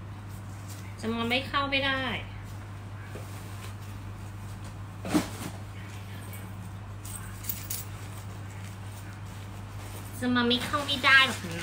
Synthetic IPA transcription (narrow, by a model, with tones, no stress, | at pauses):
t͡ɕa˧˩ma˧nma˥˩jkʰa˥˩wpa˧˩jda˥˩j | sɯ˧ma˧nmiː˧˥˩kʰa˥˩wmi˧˩daː˥˩jdɔː˨˩k̚naː˨˦˥